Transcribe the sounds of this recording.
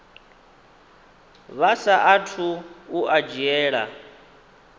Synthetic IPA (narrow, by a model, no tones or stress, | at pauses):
βasaʔatʰuuʔad͡ʒiɛːɺa̰